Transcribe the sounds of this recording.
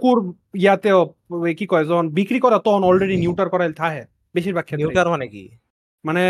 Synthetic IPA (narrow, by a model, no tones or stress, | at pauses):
kuɾ | ijat̪ɛo | kikɔɛzɔnbikɾikɔɾat̪ɔnɔlɾeɖinjuʈaɾkɔɾalt̪ʰaɦɛ | beʃiɾbakʰːɛaɾmanekḭ | mane